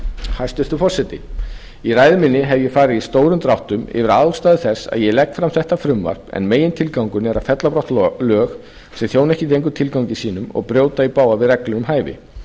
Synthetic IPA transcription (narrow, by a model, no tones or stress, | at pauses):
hast̪ʏr̥t̪ʏfɔr̥sɛt̪ɪ | irajðɪmɪnːɪɦɛvjɛɣfaːɾɪðist̪oːwɾʏmt̪ɾawht̪ʏmɪ̰vɪɾaðst̪aːðɪθɛsːa̰ðjɛlɛk̚t̪fɾamθɛht̪afɾʏmva̰r̥pɛ̰nmeːjɪnt̪ʰɪlkawŋkʏnɛɾafɛt̪lapɾɔwht̪lœːx | sɛŋθjoːwnɛhcɪt̪ʰejŋkʏt̪ʰɪlkawɲcɪsiːnʏmɔ̰ɣpɾjoːwt̪aipaːwavɪðrɛklʏɾʏmɦaːjvɪ̰